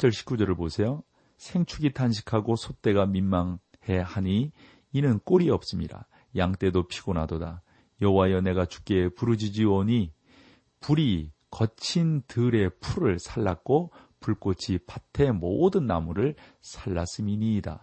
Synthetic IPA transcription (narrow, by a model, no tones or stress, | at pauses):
t͡ɕʰʌɭɕʰi̥p̚k͈ud͡ʑʌɾɯɭbosʰe̞jo | sʰe̞ŋt͡ɕʰuɡitʰanɕʰi̥kʰaɡosʰot͈e̞ɡaminmaŋ | he̞haɲiː | nɯnk͈oɾiʌp̚s͈ɯmɲiɾa̰ | jaŋt͈e̞dopʰiɡonadoda | jʌwajʌne̞ɡat͡ɕu̥k͈e̞puɾɯd͡ʑid͡ʑioɲi | puɾikʌt͡ɕʰintɯɾe̞pʰuɾɯɭsʰaɭːak̚k͈o | puɭk͈ot͡ɕʰipatʰe̞modɯnːa̰muɾɯɭsʰaɭːas͈ɯmiɲida̰